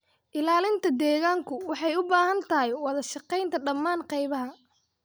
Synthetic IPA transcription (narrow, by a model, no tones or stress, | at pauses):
ʔɪlaːlɪnt̪ʰɐd̪ɛːɣaːŋkʰʊwɑħɑjʊbaːhɐnt̪ʰɐɦɪjwɐðɐʃɑqɛjnt̪ʰɐɖɐmːaːnqɑjβɐɦɐ